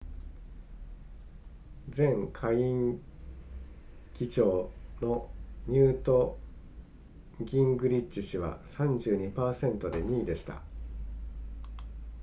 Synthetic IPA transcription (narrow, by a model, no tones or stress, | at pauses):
d͡zẽ̞ŋkʰaiĩŋ | ɡʲit͡ɕo̞ːno̞ɲ̟ɨːt̪o̞ | ɡʲĩŋɡɯ̟ɾʲit͡ɕt͡ɕːiɕiβa̰sãɲ̟d͡ʑɨːɲ̟ipaːsẽ̞nt̪o̞d̪e̞ɲ̟iːd̪e̞ɕi̥t̪a̰